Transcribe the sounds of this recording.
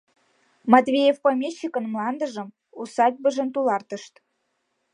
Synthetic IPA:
mɑt̪vʲejefpomʲeɕːikə̆nmlɑnd̪ə̆ʒə̆m | usɑd̪̚ʲbə̆ʒə̆nt̪ulɑrt̪ə̆ʃt̪

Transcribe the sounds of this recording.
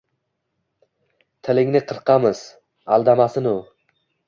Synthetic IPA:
t̪ʰɪlɪŋnɪqʰɨɾqʰɑmɪz̥ | alˠd̪amasɪnʊ

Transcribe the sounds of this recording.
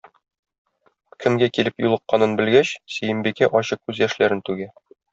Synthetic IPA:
kʰɘ̆mɡækilɘpjulˠɤ̆qːɑnɤnbɘ̆lɡæɕsɘ̆jɘ̆mbikæʔɒɕɤq̚kʉzjæʃlæɾɘnt̪ʉɡæ

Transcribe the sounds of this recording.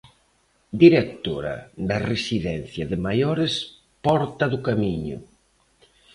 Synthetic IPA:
d̪iɾek̚t̪oɾɐ̰ðɐresiðɛn̟θjɐðɪmajoɾes | pɔɾt̪ɐðʊkamiɲʊ̰

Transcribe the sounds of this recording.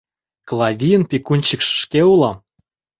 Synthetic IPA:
klˠɑvʲijənpʲikunʲt͡ɕəkʃʃkeulˠɑm

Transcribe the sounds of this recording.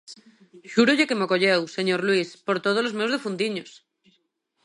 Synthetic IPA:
ʃuɾoʎekemokoʎewseɲoɾlwispoɾt̪oð̞olozmewzðefund̪iɲos

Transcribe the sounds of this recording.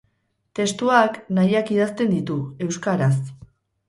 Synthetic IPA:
t̪e̞st̪uaknajakið̞ast̪e̞nd̪it̪ue̞wskaɾas

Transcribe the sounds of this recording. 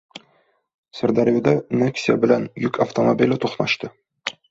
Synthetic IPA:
sɘ̆ɾd̪ɑɾjud̪ɑnʲeksʲija̰bɘ̆lænjʉkɐft̪omobʲilʲɘt̪uχnɑʃt̪ɤ

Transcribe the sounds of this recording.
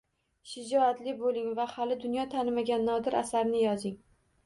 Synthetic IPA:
ʃɪd͡ʒɒat̪lɪbolˠɪŋvahalɪd̪ʊnjɒt̪ʰanɪmaɡʲanːɒd̪ɪɾa̰saɾnɪjɒzɪŋ

